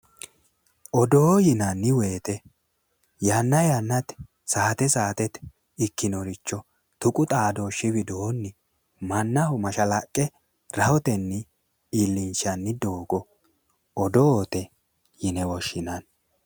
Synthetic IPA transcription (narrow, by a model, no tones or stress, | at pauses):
ʔɔd̪oːjɪnɐnːɪweːt̪ɛ | janːɐjɐnːɐt̪ | saːt̪ɛsaːt̪ɛt̪ | ɪkːɪnɔɾɪt͡ʃːɔ | t̪ʊkʼʊt̪ʼaːd̪oːʃːɪbɪd̪oːnːɪ | mɐnːɐhʊmɐʃɐlɐkʼːɛ | ɾɐhɔt̪ɛnːɪ | ilːɪnt͡ʃɐnːɪd̪oːɡɔ | ɔd̪oːt̪ɛ | jɪnɛwɔʃːɪnɐn